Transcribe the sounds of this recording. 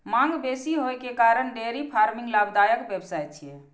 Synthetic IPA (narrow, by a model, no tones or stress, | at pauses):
maŋɡbesiɦojkekaɾəɳɖeɾipʰaɾmĩŋɡlabd̪ajəkbebsajt͡ʃʰije